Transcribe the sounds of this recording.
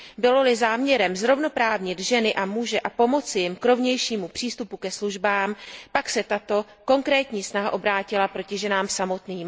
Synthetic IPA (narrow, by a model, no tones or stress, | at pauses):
bɪlo̞lɪzaːmɲɛɾɛmzɾo̞vno̞pɾaːvɲɪd̪ʒɛnɪʔamuːʒɛʔapo̞mo̞t͡sɪjɪmkɾo̞vɲɛjʃiːmupr̥iːst̪upukɛsluʒbaːmpaksɛt̪at̪o̞ | ko̞ŋkɾɛːt̪ɲiːsnaɦaʔo̞bɾaːcɪlapɾo̞cɪʒɛnaːmsamo̞t̪niːm